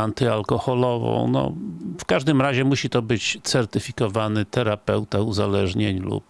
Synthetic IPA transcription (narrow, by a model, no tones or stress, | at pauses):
ant̪ɘalkɔxɔlɔvɔ̰̃w̃nɔ̰fkaʐd̪ɘmɾaʑɛmuɕit̪ɔbɘt͡ɕt̪sɛɾt̪ɘfʲikɔvanɘt̪ɛɾapɛwt̪auzalɛʐɲeɲlṵp